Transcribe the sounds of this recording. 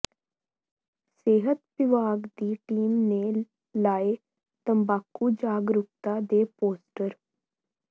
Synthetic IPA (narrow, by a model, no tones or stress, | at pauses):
seːɦət̪̚pɪʋaːɡd̪iːʈiːmneː | laːeː | t̪əmbaːkːuːd͡ʒaːɡɾʊk̚t̪aːd̪eːpoːsʈəɾ